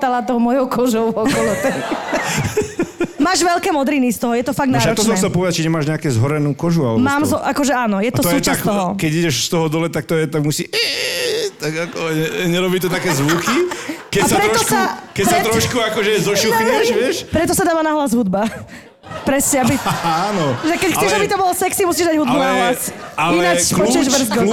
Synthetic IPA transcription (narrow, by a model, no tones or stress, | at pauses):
t̪alat̪ɔɦɔmɔjɔkɔʒɔʊɔkɔlɔt̪ɛ | maːʒʋɛlkɛːmɔd̪ɾinist̪ɔɦɔjɛt̪ɔfaɡd̪naat̪ɔssɔmt͡ssɛlpɔʋɛd̪at͡ʃiɲɛmaːʒɲɛakɛzɦɔɾɛnuːkɔʒualɛbmaːmzɔʔakɔʒɛaːnɔjɛt̪ɔɔsuːt͡ʃasskt̪ɔɦɔkɛɟiɟɛʃst̪ɔɦɔd̪ɔlɛt̪ak̚t̪ɔjɛt̪aɡmusiɛ | t̪aɡakɔɛɲɛɾɔbiːt̪ɔt̪akɛːzʋukikɛasapɾɛɾɔt̪ɔkakɛsat̪ɾɔʃkuakɔʒɛzɔʃuxɲɛʃʋɪɛʃpɾɛt̪ɔsad̪aːʋanaɦlazɦud̪ba | pɾɛsɲɛabianɔʒɛkɛcxkt͡sɛʒabit̪ɔbɔlɔsɛksimusiːʒd̪aɟɦud̪̚bunaɦlasaliɛnat͡ʃpɔɛʒb̩zɡɔ